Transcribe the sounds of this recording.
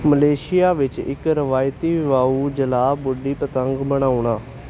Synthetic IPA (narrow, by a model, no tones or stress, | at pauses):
məleːʃɪjaːʋɪt͡ʃɪ̰kɾəʋaːjt̪iːʋɪʋaːuːd͡ʒəlaːbʊɖiːpət̪əŋɡbəɽ̃aːʊɳaː